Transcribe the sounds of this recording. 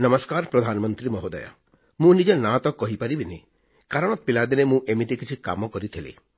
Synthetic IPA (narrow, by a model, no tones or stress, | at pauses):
nɐmɔskaːɾpɾɔd̪ʱaːnmɔnt̪ɾimɔɦod̪aja̰ | mũnid͡ʒenat̪ɔkɔɦipaɾibini | kaɾɔɽ̃ɔt̪̚pilad̪inemũʔemit̪ikit͡ʃʰika̰mɔkɔɾit̪ʰilḭ